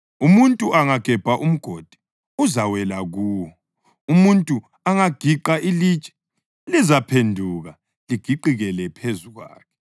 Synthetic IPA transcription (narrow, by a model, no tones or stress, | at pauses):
umuntʼuʔaŋaɡ̥ʱɛb̥ʱaʔum̩ɡ̥ʱod̥ʱi̥ | uzawɛlaɣuːwɔ | umuntʼu | aŋaɡ̥ʱiǃaʔiliːt͡ʃʼɛ̥ | lizapʰendʱuɣa | liɡ̥ʱiǃiɣɛlɛpʰezuɣwa̰ːkʰɛ̥